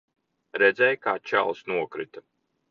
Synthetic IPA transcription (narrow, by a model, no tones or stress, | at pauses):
ɾɛd̪zɛjkaːt͡ʃæ̰lˠsnuɔkɾit̪ḁ